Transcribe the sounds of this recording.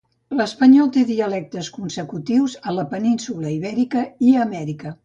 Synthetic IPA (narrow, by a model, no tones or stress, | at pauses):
ləspəɲɔlˠt̪eðiəlɛk̚t̪əskunsəkut̪iwzələpəninsuləiβɛɾikəiəmɛɾikə